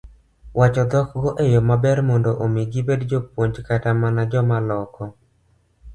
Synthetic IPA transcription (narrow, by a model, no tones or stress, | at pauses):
wat͡ʃɔd̪ɔkɡoʔejomabɛɾmɔndoʔomiɡibedd͡ʒopwoɲd͡ʒkatamanad͡ʒɔmalɔkɔ